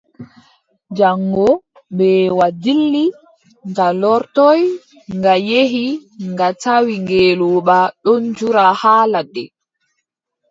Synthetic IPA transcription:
d͡ʒaŋɡɔ | ɓɛwadilːi | ŋɡalɔɾtɔj | ŋɡajeɦiŋɡatawiŋɡeːluːɓaɗɔnd͡ʒuɾahaːladɛ̰

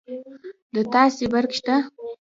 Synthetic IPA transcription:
d̪ɨt̪ʰaːsibarkʃt̪ʰa

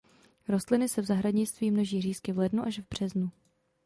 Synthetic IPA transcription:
ɾo̞st̪lɪnɪsɛvzaɦɾaɲɪt͡st̪viːmno̞ʒiːriːskɪvlɛdnuʔaʃvbr̝̥ɛznu

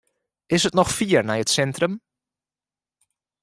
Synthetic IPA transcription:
ʔɪsətnɔxfiːəɹnɛjətsɛntrəm

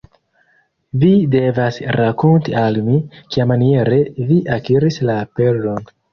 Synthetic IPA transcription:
vide̞vasɾakontialmikiamanie̞ɾeviʔakiɾislaːpeɾdo̞n

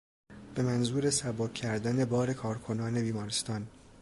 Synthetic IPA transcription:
b̥e̞mænzuːɾesæbokʰːæɾd̪æne̞bɒːɾe̞kʰɒːɾkʰo̞nɒːne̞biːmɒːɾest̪ɒːn

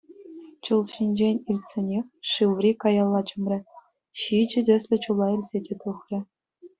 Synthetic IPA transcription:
t͡ɕɤlˠɕinʲd͡ʑenʲilʲtʲsʲenʲexʲʂɯʋrʲikɑjɑlˠːɑt͡ɕɤ̆mrʲɘ̆ | ɕid͡ʑɘ̆dʲɘ̆sʲlʲɘ̆t͡ɕulˠɑilʲzʲedʲet̪uχrʲɘ̆

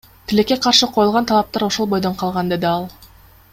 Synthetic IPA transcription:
t̪ʰɪle̞kːe̞qʰɑɾʃɯqʰo̞julˠʁɑnt̪ʰɑlˠɑp̚t̪ɑɾo̞ʃo̞lˠbo̞jd̪o̞ɴqʰɑlˠʁɑnd̪e̞d̪ɪɑlˠ

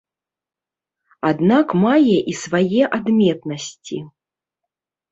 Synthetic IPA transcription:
ad̪nakmajɛʔisvajɛʔad̪mʲɛt̪nɐsʲt͡sʲḭ

